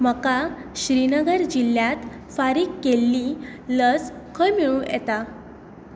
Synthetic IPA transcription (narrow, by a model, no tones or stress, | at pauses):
m̤əkaɕɾinəɡəɾd͡ʑilːjat̪ | faɾiːkːelːi | ləd͡zkʰəɭmiɭũjɛ̰t̪a